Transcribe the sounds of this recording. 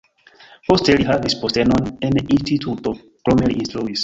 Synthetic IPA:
posteliɦavispostenoneninstitʰuto | kɾome̞lḭʔːnstɾuis

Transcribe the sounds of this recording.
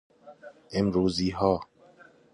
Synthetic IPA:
emɾuːziːɦɔː

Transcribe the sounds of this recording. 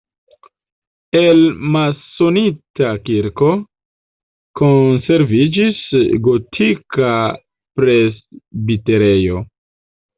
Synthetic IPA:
e̞lmaso̞nitakiɾko̞ | konse̞ɾvid͡ʒisɡo̞tʰika | pɾe̞sbite̞ɾe̞jo̞

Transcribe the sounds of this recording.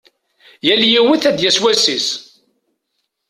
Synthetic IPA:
jæljiwəθæd̪jæswæsis

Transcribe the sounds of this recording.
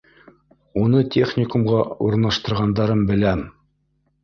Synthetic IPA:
unɤtʲʰeχnʲɪkumʁɑuɾ̆nɑʃt̪ɤ̆ɾʁɑnd̪ɑɾɤmbɘ̆læm

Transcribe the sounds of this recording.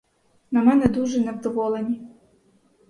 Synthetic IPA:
nɐmɛnɛd̪uʐɛnɛvd̪ɔvɔlˠɛnʲi

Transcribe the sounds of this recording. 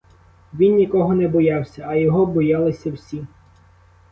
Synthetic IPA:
ʋʲinnʲikɔɦɔnɛbɔjɑwsʲɐːjɔɦɔbɔjɑlˠɪsʲɐwsʲi

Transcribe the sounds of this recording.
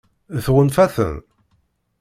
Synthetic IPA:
θʁənfæθə̰n

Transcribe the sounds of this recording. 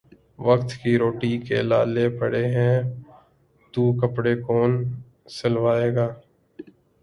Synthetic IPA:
ʋəkt̪kiɾoːʈikḛla̰ːlepəɽeɦɛ̃ː | t̪ukəpɽekoːn | sɐlʋaːeːɡaː

